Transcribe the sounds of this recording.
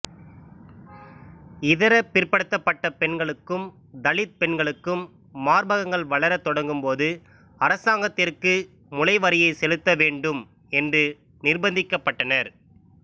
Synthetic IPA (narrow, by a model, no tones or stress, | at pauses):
ɪðɐɾɐpːɪrpɐɽɯt̪ːɐpːɐʈːɐpɛɳɡɐɭɯkːɯm | d̪ɐɭɪt̪̚pɛɳɡɐɭɯkːɯmː | aːɾbɐɣɐŋɡɐɭʋɐɭɐɾɐt̪ːɔɽɐŋɡɯmpoːðɯ | ɐɾɐsaːŋɡɐt̪ːɪrkɯ | mʊlɐɪʋɐɾɪjɐɪsɛlɯt̪ːɐʋeːɳɖɯm | ɛndrɯ | nɪrbɐnd̪ɪkːɐpːɐʈːɐnɐɾ